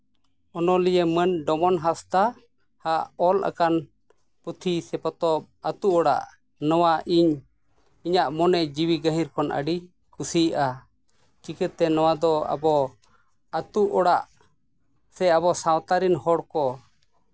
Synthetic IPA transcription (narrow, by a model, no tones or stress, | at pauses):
ɔnɔlijɛmənɖɔmɔnɦast̪a | haʔɔlʔa̰kan | put̪ʰisɛpɔt̪ɔp̚at̪uʔɔɽa̰ʔ | nɔwaʔiɲ | iɲaʔmɔnɛʔd͡ʒiwiɡəɦĩɾkɔnʔə̰ɖi | kusiʔa | t͡ʃikət̪ːɛnɔwad̪ɔa̰bɔ | at̪uʔɔɽaʔ | sɛabɔsawt̪aɾinhɔɽkɔ